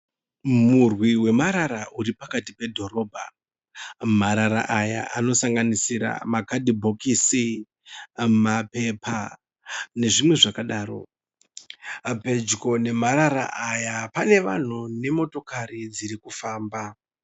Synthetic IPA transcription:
murwiwe̞maɾaɾaʔuɾipakatipe̞dʱo̞ɾo̞ːbʱa̰ | maɾaɾa̰ʔaja̰ʔano̞saŋɡanisiɾa̰makadʱibʱokisi | mape̞pʰa | ne̞ʐimwe̞ʐakaɗaːɾo̞̰ | pe̞d͡ʒko̞ne̞maɾaɾa̰ʔajapane̞ʋa̰n̤une̞mo̞to̞kaɾid͡ziɾikufaːmba

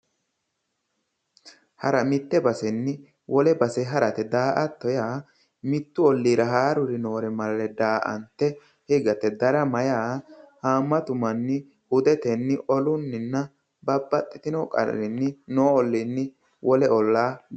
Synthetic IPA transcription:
hɐɾɐmɪt̪ːɛbɐsɛnːɪ | wɔlɛbɐsɛɦɐɾɐt̪ɛd̪aːʔɐt̪ːɔjaː | mɪt̪ːʊɔlːiːɾɐɦaːɾʊɾɪno̞ːɾɛmɐllɛd̪aːʔɐ̰nt̪ːɛ | hɪɡɐt̪ːɛd̪ɐɾɐmɐjaːhaːmːɐt̪ʊmɐnːɪ | hʊd̪ɛt̪ɛnːɪʔɔlʊnːɪnːɐ | bɐbːɐt̪ʼːɪt̪ɪnɔkʼɐ̰ɾɪnːɪnoːɔlːɪnːɪ | wʔɔlɛɔlːaː

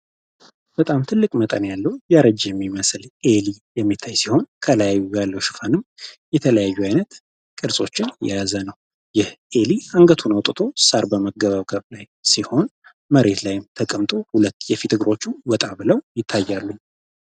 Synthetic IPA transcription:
b̥ət̪ʼamt̪ʰɨlːɨkʼmət̪ʼənjalːəwujaɾəd͡ʒjɛmːiməslʔelijɛmːit̪ʰːajsiho̞nkʰələjajːujalːəwʃɪ̥fanɨmjɛt̪ʰələjajːuajnət̪ | kʼɨɾsʼo̞t͡ʃːɪnjɛ̰jazənəw | jɪhʔeliaŋɡət̪ʰunəwt̪ʼɨt̪ʰo̞saɾbəməɡəβaβɡəβlaj | siho̞n | məɾe̞t̪lajɪmt̪ʰəkʼəmt̪ʼo̞hulət̪ːjɛfit̪ʰɨɡɾo̞t͡ʃːuwɔt̪ʼabɨləwjɪt̪ʰːajːalːuɲ

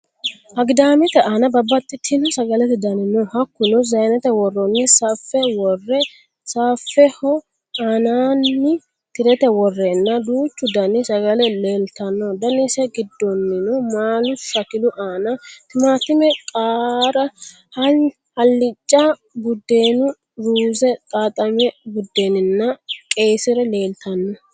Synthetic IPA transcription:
ʔɐɡd̪aːmɪt̪ɛaːnɐbɐbːɐt̪ʼːɪt̪ʰːɪnʊsɐɡɐlɛt̪ɛd̪ɐnɪnɔhɐkːʊnʊzɐjnɛt̪ɛwɔrːɔnːɪsafːɛwɔrːɛ | saːfːɛhɔ | aːnaːnːɪ | t̪ɪɾɛt̪ɛwɔrːɛnːɐd̪uːt͡ʃːʊd̪ɐnɪsɐɡɐlɛleːlt̪ɐnːɔd̪ɐnɪsɛɡɪd̪ːɔnːɪnʊmaːlʊsɐkɪd̪ʊʔaːnɐt̪ɪmaːt̪ɪmɛkʼaːɾɐ | hɐ | hɐlːɪt͡ʃʼːa | bʊd̪ːe̞ːnʊ | ɾuːzɛt̪ʼaːt̪ʼɐmɛbʊd̪ːeːnɪnːɐkʼe̞ːsɪɾɛle̞ːlt̪ɐnːɔ

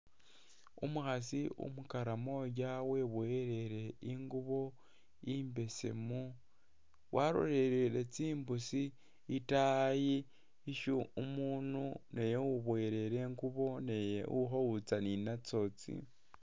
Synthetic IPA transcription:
ṵmuhasiṵmukaɾamoɟawe̞βweɾe̞ɾeiŋɡuβo̞ | imbe̞sḛmu | wʔaɾo̰ɾeɾeɾet͡siːmbusiː | taji | iʃuumuːnunejowuβweːɾe̞ɾeːŋɡuβo̞nejḛuɦowut͡saninat͡so̞t͡sḭ

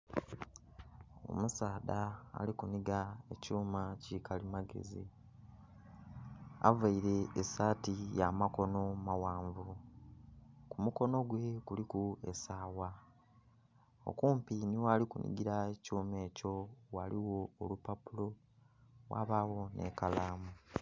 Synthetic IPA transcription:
o̰musaːda̰ːlikuniɡae̞cuːmacikʰalimaɡe̞̰zi | a̰vaiɾe̞ːsaːtijamako̞no̞mawaːɱvu | kumuko̞no̞ɡwe̞kulikuesaːwa | o̞̰kuːmpiniwaːlikunʔḭɡiɾaecuːme̞ːco̞waliwo̞ːlupapulo̞ | wa̰βaːwo̞nʔe̞̰kalaːmu

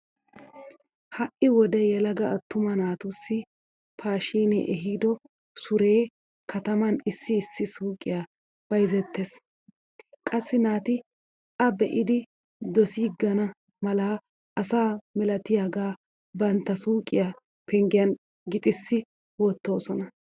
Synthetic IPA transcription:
hɐʔɪwɔd̪ɛjɛlɐɡɐɐt̪ːʊmɐnaːt̪ʊsːɪ | pʰaːʃiːnɛ̰ʔɛɦiːd̪ɔ | sʊɾe̞ː | kʰɐt̪ɐmɐnɪsːɪːsːɪsuːkʼːɪ̰ja | b̥ɐjzɛt̪ːes | kʼɐsːɪnaːt̪ɪ | ʔɐbɛʔɪd̪ɪ | d̪ɔsiːɡɐnɐ | mɐlaː | ʔɐsaːmɛlɐt̪ɪjaɡaː | bɐnt̪ːɐsuːkʼɪja | pɛŋɡɪjɐn | ɡɪt̪ʼɪsːɪ | wɔt̪ːo̞ːsɔnɐ

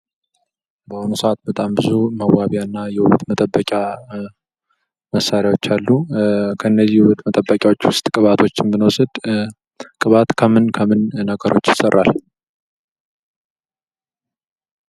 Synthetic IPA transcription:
bəhonusəʔat̪̚bət̪ʼambɨzuməwwaβijanːajɛhuβət̪mət̪ʼəbːəkʼa | məsːaɾjawo̞t͡ʃːalːukʰəɨnːəzːihuβət̪mət̪ʼəbːəkʲʼjawot͡ʃːwʊst̪ʼkʼɨβat̪ʰo̞t͡ʃːɪnbɨnəwsɨd̪ | kʼɨβat̪kʰəmɨnkʰəmɨnːəɡəɾo̞̰t͡ʃːjɪsərːa̰l

